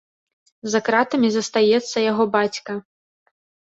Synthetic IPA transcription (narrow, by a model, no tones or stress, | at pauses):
zakɾat̪ɐmʲizɐst̪ajɛt̪sːɐjaɣɔbat͡sʲkɐ